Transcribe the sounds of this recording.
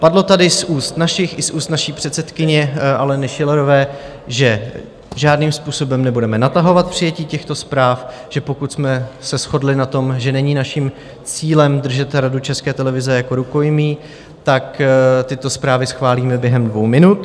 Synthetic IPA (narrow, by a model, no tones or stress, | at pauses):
padlo̞t̪adɪsuːst̪naʃɪxʔɪsʔuːst̪naʃiːpr̝̥ɛt̪sɛt̪kɪɲɛʔalɛnɪʃɪlɛɾo̞vɛː | ʒɛ | ʒaːdniːmspuːso̞bɛmnɛbudɛmɛnat̪aɦo̞vat̪̚pr̝̥ɪjɛciːcɛxt̪o̞spɾaːfʒ̥ɛpo̞kut̪smɛsɛsxo̞dlɪnat̪o̞mʒɛnɛɲiːnaʃim | t͡siːlɛmd̪r̩ʒɛt̪ɾadut͡ʃɛskɛːt̪ɛlɛvɪzɛjako̞ɾuko̞jmiː | t̪akt̪ɪt̪o̞spɾaːvɪsxvaːliːmɛbjɛɦɛmdvowmɪnut̪